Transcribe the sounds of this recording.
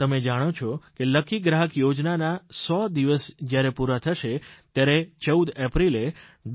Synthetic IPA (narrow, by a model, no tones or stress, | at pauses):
t̪əmed͡ʒaɽ̃ot͡ʃʰɔkeləkʰiɡɾaɦəkjod͡ʒnanasɔd̪iʋəsd͡ʒjaɾepuɾat̪ʰəʃet̪jaɾet͡ʃəud̪epɾileɖ